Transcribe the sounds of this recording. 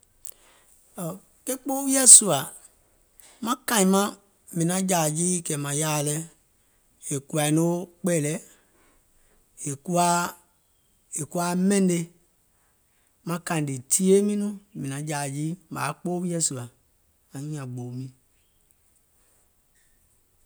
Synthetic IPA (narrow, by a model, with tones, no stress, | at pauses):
ɔ˨ | ke˦k͡poː˦wi˦a˦su˨a˨ | mã˦kã˨ĩ˨mã˦ | mĩ˨nã˨˦d͡ʒaː˨d͡ʒi˦kɛ˨mã˨jaː˦˨lɛ˦ | e˨ku˦˨a˨i˨˦no˦k͡pɛ˦˨lɛ˦ | e˨ku˦a˦ | e˨ku˦a˦mɛ̃˦n˦de˦ | mã˦kã˨di˨tʰi˦e˦mĩ˦nũ˦mĩ˨nã˨˦d͡ʒa˨d͡ʒi˦ma̰ː˨˦k͡poː˦wi˦a˦su˨a˨ | ã˨ɲĩ˦ã˨ɡ͡bo˨mĩ˦